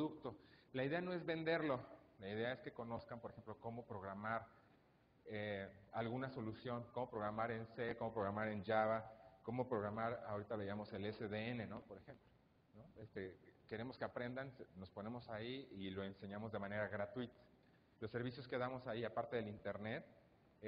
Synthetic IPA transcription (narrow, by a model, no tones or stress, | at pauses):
ðukt̪o̞laiðe̞ano̞ezβe̞nd̪e̞ɾlo̞laiðe̞ae̞ske̞ko̞no̞skampoɾexe̞mploko̞mo̞pɾo̞ɣɾamaɾ | ealɣunaso̞lusjo̞ŋko̞mo̞pɾo̞ɣɾamaɾe̞nse̞ko̞mo̞pɾo̞ɣɾamaɾe̞nd͡ʒaβako̞mo̞pɾo̞ɣɾamaɾa̰oɾit̪aβeiamo̞se̞leseðeene̞no̞po̞ɾe̞xe̞mplo | no̞est̪eke̞ɾe̞mo̞ske̞apɾe̞nd̪anseno̞spo̞ne̞mo̞saiːlo̞e̞nse̞ɲamo̞zðe̞mãne̞ɾaɣɾat̪wit̪ḁ | lo̞sːe̞ɾβisjo̞ske̞ðamo̞saiapaɾt̪e̞ð̞elint̪eɾne̞t̪̚